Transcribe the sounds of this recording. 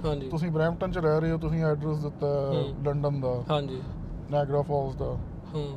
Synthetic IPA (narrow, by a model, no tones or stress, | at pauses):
ɦãːd͡ʒiːt̪ʊsĩːbɾɛ̃ːmʈə̃nt͡ʃəɾɛːɾəeːɦoːt̪̬ʊsĩːɛːɖɾəsd̪ɪt̪ːaːləɳɖənd̪aːɦãːd͡ʒiː | nɛːɡɾaːpʰɔːsd̪aː | hãː